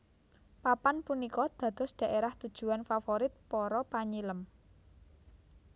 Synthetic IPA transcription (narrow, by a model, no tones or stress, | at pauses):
papanpunikɔd̪̥ä̤d̪̥ɔ̤sɖ̪̥ä̤ʔeɾaht̪ud̥ʒ̥ṳanfafoɾɪt̪̚pɔɾɔpaɲiləm